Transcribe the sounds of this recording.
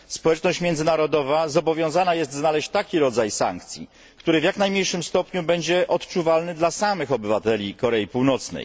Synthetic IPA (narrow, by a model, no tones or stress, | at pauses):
spɔwɛt͡ʂnɔɕt͡ɕmʲjɛnd̪zɘnaɾɔd̪ɔvazɔbɔvʲjɔ̃w̃zanajɛst̪znalɛɕt͡ɕt̪akʲiɾɔd̪zajsa̰ŋk̚t̪sʲjḭ | kt̪uɾɘvjaknajmɲejʂɘmst̪ɔpɲubɛɲd͡ʑɛʔɔt̪t͡ʂuvalnɘd̪lasamɘxɔbɘvat̪ɛlʲikɔɾɛipuwnɔt̪snɛ̰j